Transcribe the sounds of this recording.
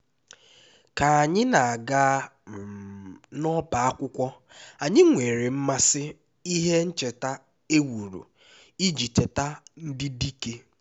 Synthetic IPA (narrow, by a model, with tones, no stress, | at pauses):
ka˨a˨ɲɪ˦na˨a˨ɡa˦˨ | nɔ˦ba˨a˦kʷʊ˦kʷɔ˦ | a˨ɲɪ˦ŋʷe˨ɾe˨m̩˦ma˦sɪ˦ | i˦ɦe˦n̩˦t͡ʃe˨ta˦ | e˦wu˨ɾṵ˨ | i˦d͡ʒi˨te˨ta˦n̩˦dɪ˦di˦ke˦